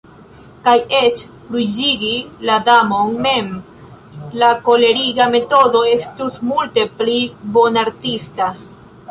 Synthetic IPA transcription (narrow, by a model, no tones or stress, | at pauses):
kaje̞t͡ʃ | fɾud͡ʒiɡiladamo̞nme̞m | lako̞le̞ɾiɡame̞to̞do̞e̞stusmulte̞plibo̞naɾtista